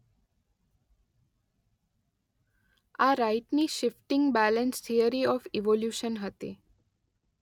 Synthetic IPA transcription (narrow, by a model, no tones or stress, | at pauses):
aɾaiʈniʃɪfʈɪ̃ŋɡbælənst̪ʰiəɾiɔfiʋoljuʃənɦət̪ḭ